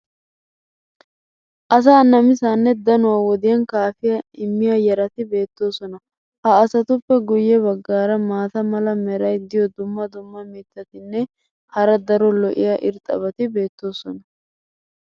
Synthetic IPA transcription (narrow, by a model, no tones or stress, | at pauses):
ʔɐs̬aːnɐmɪsaːnːɛd̪ɐnʊwaːwɔd̪ɪjɐnkaːfɪjɐɪmːɪjɐjɛɾɐt̪ɪbe̞ːt̪ːo̞ːsɔnɐ | hɐːsɐt̪ʊpːɛɡʊjːɛβɐɡːaːɾɐmaːt̪ɐmɐlɐmɛɾɐjd̪ɪjɔd̪ʊmːɐd̪ʊmːɐmiːt̪ːɐt̪ɪnːɛ | hɐɾɐd̪ɐɾɔlɔʔɪjaʔɪɾt̪ʼːɐ̰βɐt̪ɪbe̞ːt̪ːo̞ːsɔnɐ